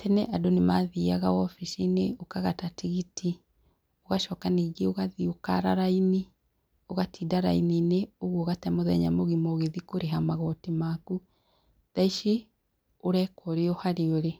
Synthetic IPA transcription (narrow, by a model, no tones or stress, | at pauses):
tʰɛnɛʔadonemaðiaɣaɔfiʃineokaɣatatiɣiti | oɣaʃɔːkaniɣeoɣaðioka̰ɾaɾaini | oɣatiːdaɾa̰inineoɣoɣatɛmoðɛ̰ɲa̰moɣimoɣeðikoɾeɦamaɣɔtimaku | ðaiʃi | oɾɛkɔɾeɔhaɾeoɾe